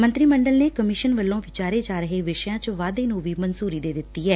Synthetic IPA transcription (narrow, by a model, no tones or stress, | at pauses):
mənt̪ɾiːməɳɖəlneːkəmɪʃənʋəlːõːʋɪt͡ʃaːɾeːd͡ʒaːɾəɦeːʋɪʃəjãːt͡ʃʋaːd̪eːnũːʋiːmənzuːɾiːd̪eːd̪ɪt̪ːiːɦɛː